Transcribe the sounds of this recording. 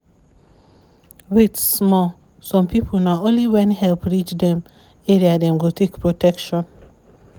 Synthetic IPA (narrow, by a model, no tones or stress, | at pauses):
ɹetssmɔ | sɔ̃mpipʰol̩naõnliwɛ̃nhɛlˠpɹit͡ʃdɛ̃m | ɛɹiadɛ̃mwitʰekpɹotʰɛkʃɔ̃n